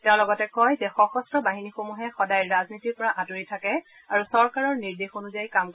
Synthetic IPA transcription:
tɛʊ̃lɔɡɔtɛkɔjzɛxɔxɔstɹɔbaɦinixomuɦɛxɔdajɹaznitiɹpɔɹaʔatuɹitʰakɛ | aɹusɔɹkaɹɔɹniɹdexonuzajkamk

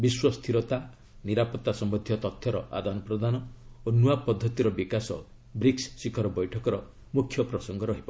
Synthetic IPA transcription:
biswɔst̪ʰiɾɔt̪a | niɾapɔt̪ːasɔmbɔd̪ʱjɔt̪ɔt̪ʰjɔɾɔʔa̰d̪ʱanɔpɾɔd̪ʱanɔonuapɔd̪ʱːɔt̪iɾɔbikasɔ̰ | bɾikssikʰɔɾɔbɔjʈʰɔkɔɾɔ | mukʰːjɔpɾɔsɔŋɡɔɾɔɦibɔ

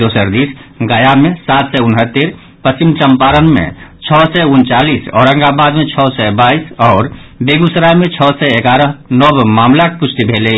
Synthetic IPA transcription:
d̪oːsəɾd̪isɡajamẽsaːt̪ʰsɛʊnɦət̪ːeɾ | pəst͡ʃimt͡ʃəmpaːɾənmḛ̃t͡ʃʰɔsɛʊnt͡ʃaːlisɔ̰ːɾə̃ŋɡabaːd̪mẽt͡ʃʰɔsɛbaisɔːɾbeɡusɾamẽt͡ʃʰɔsɛeɡaɾəɦnɔbmaːmlakpʊt͡ʃʰt̪ibʱele

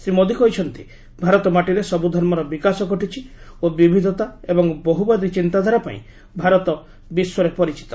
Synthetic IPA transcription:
sɾimod̪ʱikɔɦjt͡ʃʰɔnt̪i | bʱaɾɔt̪ɔmaʈiɾesɔbud̪ʱɔɾmɔɾɔbikasɔɡɔʈit͡ʃʰiobibʱid̪ʱɔt̪aebɔŋbɔɦubad̪it͡ʃint̪ad̪ʱaɾapa̰ḭ̃ | bʱaɾɔt̪ɔ | biswɔɾepɔɾit͡ʃi̥t̪ɔ̥

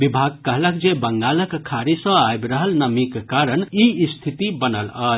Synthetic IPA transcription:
bibʱaɡ̚kəɦləkd͡ʒebəŋɡaləkkʰːaɾisə̃ajbɾəɦəlnəmikkaɾənist̪ʰit̪ibənələ

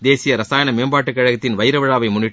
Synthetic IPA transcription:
d̪eːsɪjɐɾɐsaːjɐnɐmeːmbaːʈːɯkːɐɻɐɣɐt̪ːɪnʋɐɪɾɐʋɐɻaːʋɐɪmʊɳːɪʈː

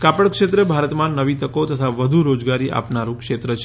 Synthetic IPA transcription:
kapəɽkʃet̪ɾəbʱaɾət̪mãnəʋit̪əkot̪ət̪ʰaʋəd̪ʱuɾod͡ʒɡaɾiʔa̰pnaɾũkʃet̪ɾət͡ʃʰ

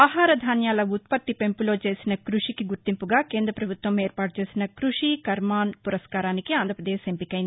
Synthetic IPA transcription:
aːɦaːɾɐd̪ʱaːnjaːlɐut̪̚pɐt̪ːipe̞mpulo̞ːt͡ʃe̞ːsinɐkɾuʂikiɡuɾt̪impuɡaːkeːnd̪ɾɐpɾɐbʱut̪ʋɐmeːɾpaːʈut͡ʃe̞ːsinɐkɾuʂikɐɾmaːnpuɾɐskaːɾaːnikiaːnd̪ʱɾɐpɾɐd̪eːʃempikɐjin

